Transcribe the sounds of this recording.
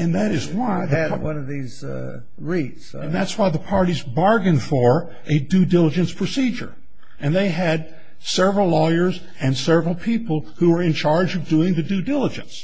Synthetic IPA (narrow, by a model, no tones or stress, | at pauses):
ɨ̃nðɨɾɨzwaɪðɨwʌ̃nʌvðiz | ɹitsɨ̃nðætswaɪðəpʰɑɹɾizbɑɹɡɨ̃nfə˞ | ʔɨdʉdɪlˠəd͡ʒɨ̃nspʰɹ̥ɨsid͡ʒə̰˞ | ɨ̃nðeɪɨd̚ | sɛvɹl̩ˠlɔɪə˞z | ɨ̃nsɛvɹl̩ˠpʰipəl̩ˠhuwə˞ɨ̃nt͡ʃʰɑɹd͡ʒʌvdʉɪ̃ŋðɨdʉdɪlˠəd͡ʒɨ̰̃ns